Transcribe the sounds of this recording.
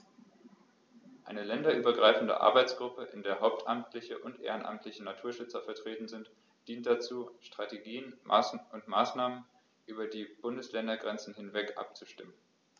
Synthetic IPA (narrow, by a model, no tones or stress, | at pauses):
ʔaɪnəlɛndɐʔyːbɐɡʁaɪfn̩də̰ʔa̰ɐbaɪt͡sɡ̥ʁʊpəʔɪndeːɐɦaʊp̚tʔamtʰlɪçəʔʊntʔḛːʁənʔa̰mtʰlɪçənatʰuːɐʃʏt͡sɐfɛɐtʁ̥eːtn̩zɪnt | d̥iːnt̚d̥at͡suːʃtʁ̥ateɡiːənmʔa̰sʊntmaːsnaːmən | ʔyːbɐdiːb̥ʊndəslɛndɐɡʁɛnt͡sn̩hɪnvɛkʔa̰p̚t͡suʃtɪmən